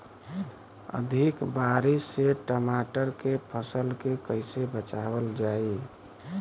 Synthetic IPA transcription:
ə̰d̪ʱikbaːɾisːeʈəmaʈəɾkepʰəsəlkekəɪsebət͡ʃabəld͡ʒaːi

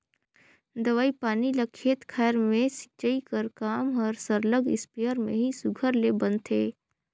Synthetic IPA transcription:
d̪ɐʋaːipaːnilɐkʰeːt̪kʰɛːɾmẽsi̥t͡ʃəikəɾkaːmɔːɾsəɾləɡɪ̰spijəɾmḛ̃ɦisʊɡʱəɾlebɐ̃nt̪ʰeː

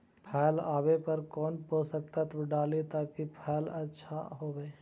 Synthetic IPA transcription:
pʰɛːlaːbepɐɾkɔːnpoːsək̚t̪at̪bɖaːlit̪aːkipʰɛːlɐtːʃʰa̰ɦoːɡaeː

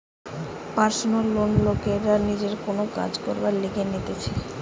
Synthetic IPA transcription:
paɾsonolːonlokeɾanid͡ʑeɾkonoka̰d͡ʑkoɾbaɾliɡenit̪et͡ɕʰe

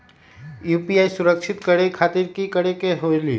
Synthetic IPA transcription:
juːpiaːisʊɾəkʃʰɪt̪kəɽekʰaːt̪iɾkikəɽekeɦolḭː

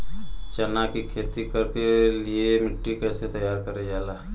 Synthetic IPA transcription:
t͡ʃɐnakikʰeːt̪ikəɾkeliemɪʈːikɛːset̪əjaːɾkəɾed͡ʒaːla

